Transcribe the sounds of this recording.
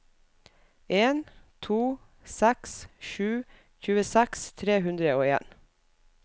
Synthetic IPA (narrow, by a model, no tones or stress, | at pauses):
eːnt̪ʰuː | sɛksʃʉː | çʉːəsɛkst̪ʰɾeːhʉnd̪ɾəoːeːn